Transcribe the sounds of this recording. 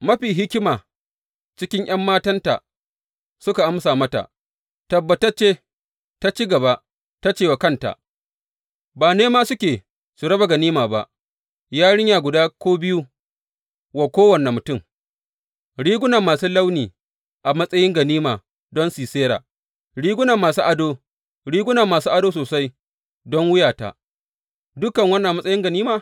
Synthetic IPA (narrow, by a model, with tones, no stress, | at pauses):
mɐ˦ɸiː˨ɦɪ˦kʲɪ˦maː˨ | t͡ʃɪ˦kʲɪ˦ɲʔɐ˦mːaː˦tɐ˦nta̰˨ | sʊ˦ka˨ʔa˦msaː˨mɐ˦ta̰˨ʔ | tɐ˨bːɐ˨tɐ˦t͡ʃeː˦ | ta˦t͡ʃi˦ɡɐ˨βa˦ʔ | ta˦t͡ʃeː˦˨wa˨kɐ˦nta̰˨ʔ | baː˨neː˦maː˦sʊ˦kʲeː˨ | su˨ɽɐ˦ba˨ɡɐ˨niː˦maː˨ba˦ʔ | jaː˦ɽɪ˦ɲjaː˨ɡʷʊ˨daː˦kʷoː˦bɪ˦ju˦ | wa˨kʷoː˦wɐ˨nːa˨mʊ˨tʊ˦˨m | ɽiː˦ɡʷʊ˦nɐ˨mːaː˨suː˦lɐ˦wniː˨ | ʔa˨mɐ˦sʼɐ˦jɪ˦ŋɡɐ˨niː˦maː˨ | dɔ˦nsiː˨seː˦ɾa̰ː˨ | ɽiː˦ɡʷʊ˦na˨mːaː˨suː˦ʔa˨doː˦ | ɽiː˦ɡʷʊ˦na˨mːaː˨suː˦ʔa˨doː˦soː˨sa˦j | dɔ˦ŋwʊ˦jaː˨ta̰˨ | dʊ˦kɐ˨ŋwɐ˦nːa˨a˨mɐ˦sʼɐ˦jɪ˦ŋɡɐ˨niː˦maː˨